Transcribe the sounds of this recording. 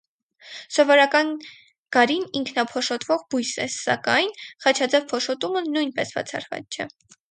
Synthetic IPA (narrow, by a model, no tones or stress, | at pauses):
sɔvɔɾɑkɑn | ɡ̥ɑɾiniŋkʰnɑpʰɔʃɔt̪vɔʁbujsɛ̰sɑ̰kɑjnχɑt͡ʃʰɑd͡zɛvpʰɔʃɔt̪umənujnpɛsb̥ɑ̰t͡sʰɑ̰ɾvɑ̰t͡st͡ʃʰɛ̰